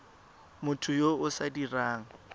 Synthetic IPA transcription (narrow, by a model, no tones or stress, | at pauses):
mʊtʰʊjoʊsadiraːŋ̩